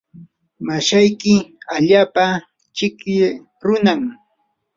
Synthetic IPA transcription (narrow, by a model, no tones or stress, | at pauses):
maʃajkɪaʎaːpa | t͡ʃɪkɪ | ɾʊnam